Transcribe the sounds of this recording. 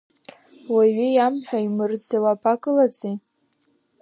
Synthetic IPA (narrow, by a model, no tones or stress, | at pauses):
waɥijamħʷᶣaimɨrd͡zʰawapʰʼakʼɨlat͡sʼi